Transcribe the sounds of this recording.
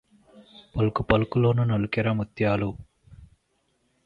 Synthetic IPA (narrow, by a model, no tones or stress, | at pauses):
pɐlukupɐlukuloːnunɐlukiɾɐmut̪jaːlu